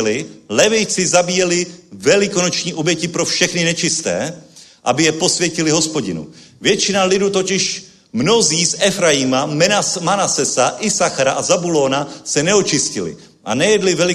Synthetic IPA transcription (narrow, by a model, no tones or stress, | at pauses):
lɪlɛvɪjt͡sɪzabiːjɛlɪvɛlɪko̞not͡ʃɲiːʔobjɛcɪpɾo̞fʃɛxnɪnɛt͡ʃɪst̪ɛ̰ː | ʔa̰bɪjɛpo̞svjɛcɪlɪɦo̞spo̞ɟɪnṵ | vjɛt͡ʃɪnalɪduːt̪ocɪʃ | mno̞ziːsʔɛfɾajɪmamɛamanasɛsaʔɪsaxaɾaʔazabulo̞ːnasɛnɛot͡ʃɪscɪlɪ̰ | ʔa̰nɛjɛdlɪvɛlɪ